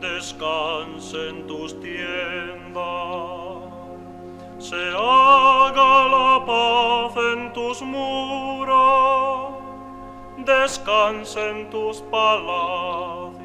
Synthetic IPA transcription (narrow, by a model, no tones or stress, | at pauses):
d̪eskansent̪ust̪jɛnd̪a | seaɣalapaθent̪usmuɾa | d̪eskansent̪uspalaθ